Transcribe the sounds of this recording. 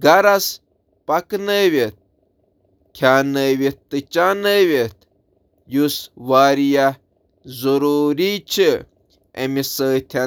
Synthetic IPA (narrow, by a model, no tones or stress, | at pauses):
ɡaɾas | paknəʋʲet̪̚ | kʲʰjaːnəʋet̪ːɨt͡ʃaːnəʋʲet̪ | jusʋaːɾija | zoɾuːɾit͡ʃʰi | ḛmisəːt̪ʲʰa